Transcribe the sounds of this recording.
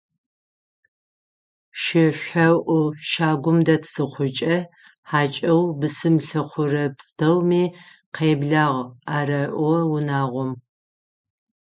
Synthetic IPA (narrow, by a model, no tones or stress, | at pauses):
ʃɪɕʷɐwʔʊʃaːɡʷʊmdɐtʰz̥ɨχʷʊt͡ʃʼɐ | ħaːt͡ʃʼɐwbɨsɨmɬɐχʷʊrɐpstʰɐwmiː | qʰeːbɮaːʁaːrɐʔʷɔwʊnaːʁʷɔm